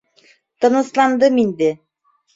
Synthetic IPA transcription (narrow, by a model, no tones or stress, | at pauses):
t̪ɤ̆nɤ̆slˠɑnd̪ɤmind̪ɘ